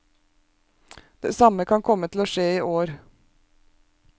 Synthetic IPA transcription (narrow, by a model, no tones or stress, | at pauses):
d̪̥eːsɑməkʰɑnkʰɔmət̪ʰl̩oːʃeːiːʔoːɾ